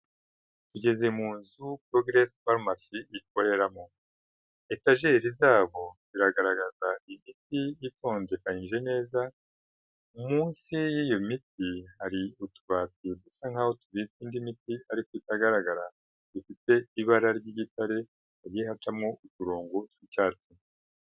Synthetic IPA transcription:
tuɟe̞ze̞muːnzupɾo̞ɡɾespaɾmasiːk̚o̞ɾe̞ɾamo̞ | etaʒe̞ɾizaːβo̞ziɾaɡaɾaɡazaimitijitʰo̞ːnde̞kaɲinʒe̞ne̞ːza | umuːnsijiːjomitihaɾiutuβatidusaŋhahotuβiiːndimitiaɾikoitaɡaɾaɡaɾa | d̥ufite̞iβaɾaɾɟiɟitaɾe̞ | aɾihatamŋo̞utuɾo̞ːŋɡotwicaːɾt͡si

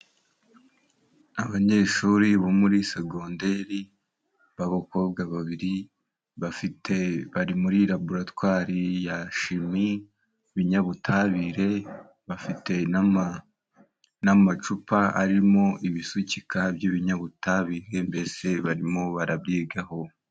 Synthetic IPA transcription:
aβaɲe̞ːʃuɾiβomuɾiseɡo̞ːnde̞ɾi | βaβoko̞ːbɡaβaβiɾi | βafiteβaɾimuɾiɾabuɾatwaːɾijaʃimi | βiɲaβutʰaβiɾe̞ | βafite̞ | namat͡ʃupaa̰ɾimo̞ʔiβisucikabjiβiɲaβutaβiːɾe̞mbe̞se̞βaɾimo̞βaɾab̚ɡiːɡaho̞

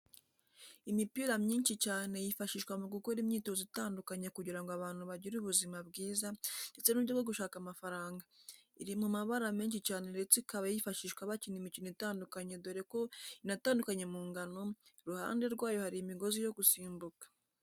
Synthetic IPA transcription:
imipiɾamɲiːnʃicaːne̞jifaʃiʃkwamuɡukoɾimɲiːto̞zitaːndukaɲe̞kuɟiɾaŋɡoaβaːn̥huβaɟiɾuβuzimabɡiːzande̞t͡se̞nuβɟoɡwoɡuʃaːkamafaɾaːŋɡaiɾimumaβaɾameːnʃicaːnende̞t͡sikaβajifaʃiːʃkwaβacinimiciniitaːndukaɲe̞do̞ɾe̞ko̞inataːndukaɲe̞muːŋɡano̞ɾuha̰ːnde̞ɾɡwaːjo̞haɾimiɡo̞zijo̞ɡusiːmbukḁ

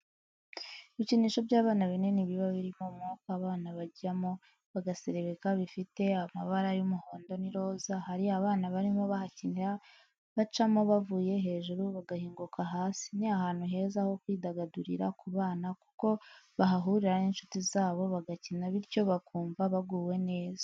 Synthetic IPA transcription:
iβiciniːʃo̞bɟaːβaːnaβine̞niβiβaβiɾimomuukaβaːnaβaɟamo̞ | βaɡase̞ɾeβekaβifite̞ama̰βaɾajumuho̞ːndo̞niɾo̞ːzahaɾiaβaːnaβaɾimo̞βahacina | βat͡ʃamo̞βavuːje̞ɦe̞ːʒuɾuβaɡahiːŋɡukʰaɦaːsi̥niahaːnhuɦe̞ːzaho̞kwiːdaɡaduɾḭɾakuβaːnaku̥ko̞βaɦaɦuɾiɾaniːnʃu̥tizaːβo̞βaɡacinaβiɾco̞βakuːmbaβaɡuːwe̞ne̞ːza

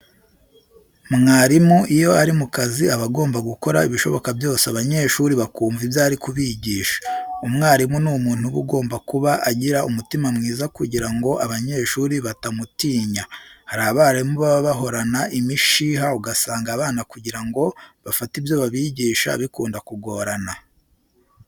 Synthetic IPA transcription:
mŋaːɾimuʔijo̞aɾimukaziaβaɡo̞ːmbaɡuko̞ɾa̰iβiʃo̞̰βo̞kabjo̞ːseaβaɲe̞ːʃuɾiβakuːɱvibjaːɾikuβiɟiːʃḁumŋaːɾimunuːmuːn̥huβṵɡo̞ːmbakuβaʔaɟiɾaʔumutimamŋiːzakuɟiɾaŋɡo̞ʔaβaɲe̞ːʃuːɾiβatamutiːɲahaɾaβaɾaimuβaβaβaɦo̞ɾanaʔimiʃiːɦauɡasaːŋɡaːβaːnakuɟiɾaŋɡo̞βafatibjo̞βaβiɟiːʃa̰βikuːndakuɡo̞ɾana

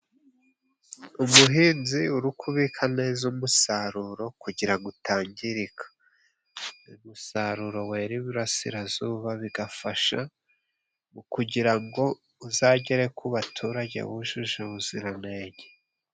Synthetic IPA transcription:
umuɦiːnziuɾukʰuβikʰane̞zumusaɾuɾo̞kuɟiɾaŋɡutaːɲɟiɾikʰḁ | numusaɾuɾo̞we̞ːɾiβuɾasḭɾazuβaβiɡafaʃa̰ | mukuɟiɾaŋɡo̞ | uzaːɟeɾe̞kuβatʰuɾaɟḛβuʒuʒeβuziɾaneːɟe

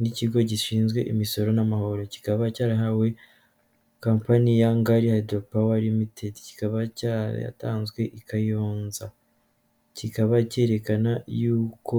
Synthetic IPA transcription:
niciɡo̞ɟiʃiːnzɡwe̞̰ʔimiso̞ɾo̞namaho̞ɾo̞ci̥kaβacaːɾaɦawe̞ | kaːmpanijaŋɡaɾihaidopawaɾimitʰetci̥kaβacaɾa̰ja̰ta̰ːnzɡwe̞ʔikajoːnza | cikaβace̞ɾe̞kanajuːko̞

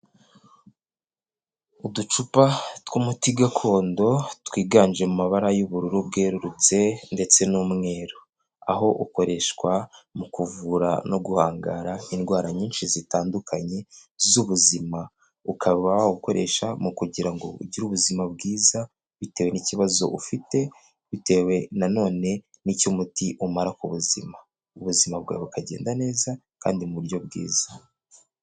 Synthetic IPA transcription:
udut͡ʃupatkumutiɡakʰo̞ːndo̞twiːɡaːnd͡ʒe̞mumaβaɾajuβuɾuɾub̚ɡe̞ːɾuɾut͡se̞nde̞t͡se̞numŋe̞ːɾo | a̰ɦo̞ʔuko̞ɾe̞ʃkwamukuvuɾa̰no̞ɡuhaːŋɡaːɾainɡwaːɾaɲiːnʃizitaːndukʰaɲe̞zuβuzima | ukʰaββaβauko̞ɾe̞ʃamukuɟiɾaŋɡo̞ṵɟiɾuβuzimab̚ɡiːza | βite̞ːwe̞niciβazo̞̰ʔufite̞ | βite̞we̞nano̞ːne̞ | nicumutiʔumaɾakuβuzima | uβuzimab̚ɡwa̰ːβukʰaɟe̞̰ːndane̞ːza | ka̰ːndimuβuɾɟo̞b̚ɡḭːz̥ḁ

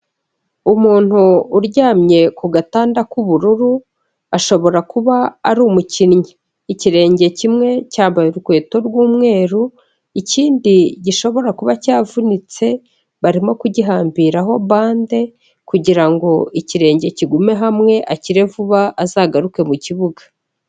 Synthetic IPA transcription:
umuːn̥huːɾɟaːmɲe̞kuɡataːndakuβuɾuɾu | aʃo̞βo̞ɾakuβaːɾuːmucinɲi | iciɾe̞ːɲɟe̞cimŋe̞caːmbajuɾukwe̞ːto̞ɾɡwuːmŋe̞ːɾu | iciːndiɟiʃo̞βo̞ɾakuβacaːvunit͡se̞ | βaɾimo̞kuɟiɦaːmbiɾaɦo̞βaːnde̞ | kuɟiɾaŋɡo̞iciɾe̞ːɲɟe̞ciɡume̞ɦamŋe̞ʔaciɾe̞vuβaʔːzaːɡaɾuke̞muciβuɡḁ

